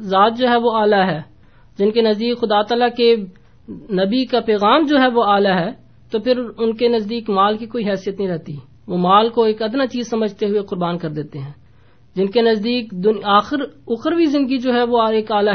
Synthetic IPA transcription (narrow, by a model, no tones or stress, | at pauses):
zaːt̪̚d͡ʒoːɦɛʋoaːlaɦɛː | d͡ʒɪnkenɐzd̪iːkxʊd̪aːt̪aːlake | nɐbikapɛːɣaːmd͡ʒoːɦɛʋoaːlaɦɛː | t̪opʰɪɾʊnkenɐzd̪iːkmaːlkikoːiɦɛːsijət̪nɐɦĩɾɛɦt̪i | ʋoːmaːlkoeːkɐd̪nat͡ʃiːzsɐməd͡ʒʱt̪eɦʊeqʊɾbaːnkɐɾd̪eːt̪eɦɛ̃ː | d͡ʒɪnkenɐzd̪iːkd̪ʊaːxɪɾʊxəɾbʱizɪ̃nd̪əɡid͡ʒoːɦɛʋoeːkaːla